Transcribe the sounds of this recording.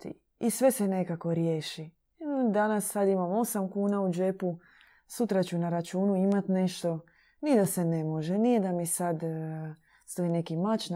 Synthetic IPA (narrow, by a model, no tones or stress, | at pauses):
t̪ḭ | isʋe̞se̞ne̞kako̞ɾje̞ːʃi | d̪anasːad̪imamo̞samkuːnaud͡ʒe̞pu | sut̪ɾat͡ɕunaɾat͡ʃuːnuimat̪ne̞ʃt̪o̞ | nid̪ase̞ne̞mo̞ʒe̞nijed̪amisad̪ | st̪oine̞kimat͡ʃn